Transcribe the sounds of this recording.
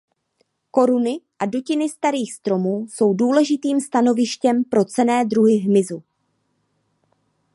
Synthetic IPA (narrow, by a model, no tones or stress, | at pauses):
ko̞ɾunɪʔado̞cɪnɪst̪aɾiːxst̪ɾo̞muːso̞wduːlɛʒɪt̪iːmst̪ano̞vɪʃcɛmpɾo̞t͡sɛnɛːdɾuɦɪɦmɪzu